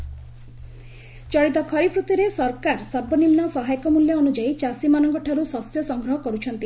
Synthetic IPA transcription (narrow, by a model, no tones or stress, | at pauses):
t͡ʃɔɭit̪ɔkʰɔɾipʰɾut̪iɾesɔɾkaɾsaɾbʱɔnimnɔsɔɦajɔkɔmuljɔːnud͡ʒait͡ʃasimanɔŋkɔʈʰaɾusɔsjɔsɔŋɡɾɔɦɔkɔɾut͡ʃʰɔnt̪i